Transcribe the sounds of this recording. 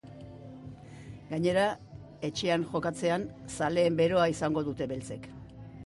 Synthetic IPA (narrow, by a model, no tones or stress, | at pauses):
ɡaɲe̞ɾa | e̞t͡ʃe̞anʝo̞kat͡se̞ansale̞ːmbe̞ɾo̞aisaŋɡo̞ðut̪e̞βe̞lt͡se̞k